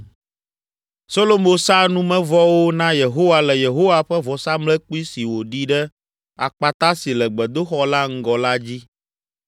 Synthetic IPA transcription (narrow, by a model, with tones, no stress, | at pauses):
so˦lo˦mo˦sa˦nũ˦mɛ̃˦vɔ˦wo˦nã˦je˨ɦo˦wa˦lɛ˨je˨ɦo˦wa˦ɸɛ˦vɔ˨sa˦mlɛ˦k͡pi˦si˨wo˨ɖi˦ɖɛ˦ | a̰˨k͡pa˨t̪a˦si˨lɛ˨ɡ͡bɛ˨d̪o˦xɔ˦la˦ŋ̩˦ɡɔ˨la˦d͡ʑi˦